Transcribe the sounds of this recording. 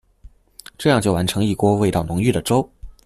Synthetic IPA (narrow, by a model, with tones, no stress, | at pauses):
ʈ͡ʂɤ˥˧jɑ˥˧ŋt͡ɕjo˥˩ʊwa˧˥nʈ͡ʂʰɤ˧˥ŋi˥˩kwɔ˥we˥˧ɪt̪ɑ˥˩ʊnʊ˧˥ŋy˥˩d̪ə˩ʈ͡ʂo˥ʊ